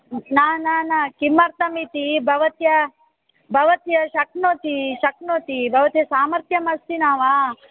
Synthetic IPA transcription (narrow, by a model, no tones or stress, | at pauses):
naːnaːnɐkimɐɾt̪ɐmit̪ibʱɐʋɐt̪jɐ | bʱɐʋɐt̪jɐʃɐknoːt̪iʃɐknoːt̪ibʱɐʋɐt̪jɐsaːmɐɾt̪jɐmɐst̪inaːʋaː